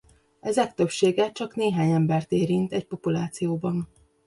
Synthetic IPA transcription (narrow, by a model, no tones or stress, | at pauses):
ɛzɛk̚t̪ø̞pʃeːɡɛt͡ʃɒkneːɦaːɲɛmbɛrt̪eːɾint̪ɛc̚po̞pulaːt̪sijoːbɒn